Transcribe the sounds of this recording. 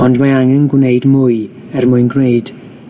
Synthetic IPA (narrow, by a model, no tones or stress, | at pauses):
ɔndmaaŋɛnɡwneɨdmʊːɨ | ɛrmʊɨnɡreɨd̥